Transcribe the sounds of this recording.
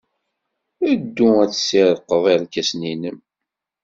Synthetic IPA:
æd̪ːuæt͡sːsiɾˤəqːəðˤiɾkːæsninəm

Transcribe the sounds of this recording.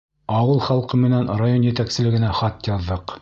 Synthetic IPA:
ɑwɤlˠχɑlˠqɤmɘ̆nænrajonjɘ̆t̪æksɘ̆lɘ̆ɡɘ̆næχɑt̪jɑðːɤq

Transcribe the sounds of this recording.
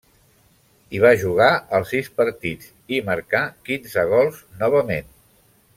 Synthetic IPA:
iβ̞aʒuɣ̞aəlˠsispəɾt̪id͡z | iməɾkakinzəɣ̞ɔlˠznɔβəmen

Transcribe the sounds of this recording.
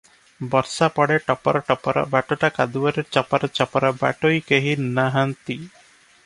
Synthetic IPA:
bɔɾsapɔɽeʈɔpɔɾɔʈɔpɔɾɔ̰baʈɔʈakad̪uaɾeɾt͡ʃɔpaɾɔt͡ʃɔpɔɾɔba̰ʈojkeɦinaɦant̪i

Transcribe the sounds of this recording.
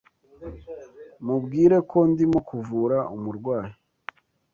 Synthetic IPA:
mubɡiːɾe̞kʰo̞ndimukuvuːɾaumuɾɡwaːji

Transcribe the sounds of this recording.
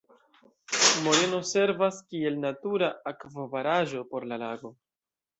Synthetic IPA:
mo̞ɾe̞no̞se̞ɾvaskie̞lnatuɾaakvovaɾaʒo̞po̞ɾlalaɡo̞

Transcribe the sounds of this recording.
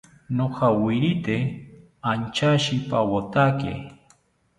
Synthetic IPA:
noqɑwɪɾɪt̪e | ant͡ʃaʃɪpawot̪akḛ

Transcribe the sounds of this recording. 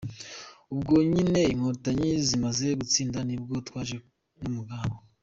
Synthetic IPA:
ubɡo̞ɲine̞iŋhoɾutaɲizimaze̞ɡut͡siːndanib̚ɡo̞twaːʒe | numuɡaːβo

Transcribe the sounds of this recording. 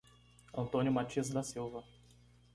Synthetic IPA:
ɐ̃nt̪õnjʊmat͡ʃiɐzd̪asiwvɐ

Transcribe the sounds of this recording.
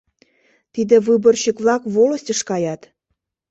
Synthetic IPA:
t̪id̪ɘ̆βɯbɤ̆rɕə̆kβlɑkvolɤ̆sʲtʲə̆ʃkɑjɑt̪

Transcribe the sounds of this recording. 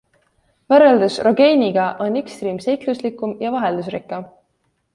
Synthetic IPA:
væɾeld̪usro̞ɡejnʲiɡ̥ɑʔo̞nekst̪riːmsejk̪luslikːˑumjɑvɑɦeld̪us̬rikˑːɑ

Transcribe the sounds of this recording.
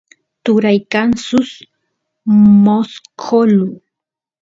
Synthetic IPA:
t̪ʊɾajkansʊs | moskʰolʊ

